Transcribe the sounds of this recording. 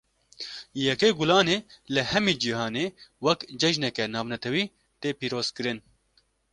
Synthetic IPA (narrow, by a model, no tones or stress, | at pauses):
jɛkeːɡulɑːneːlɨhɛmiːd͡ʒiɦɑːneːwɛkd͡ʒɛʒnɛkɛnɑːvnɛt̪ʰɛwiː | t̪eːpiːɾoːz̥kɨɾɨn